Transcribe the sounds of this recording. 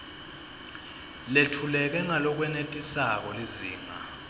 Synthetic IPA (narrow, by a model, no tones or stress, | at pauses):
letʰulɛk̬ɛŋalɔk̬wɛnetʼisak̬ɔliziːŋa